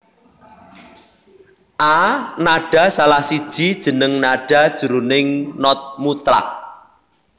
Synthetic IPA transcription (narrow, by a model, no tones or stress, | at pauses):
ʔanaɖ̥a̤salahsid̥ʒ̥id̥ʒ̥ə̤nəŋnaɖ̥a̤d̥ʒ̥ṳɾunɪŋnɔt̪̚mut̪ɾa̰k̚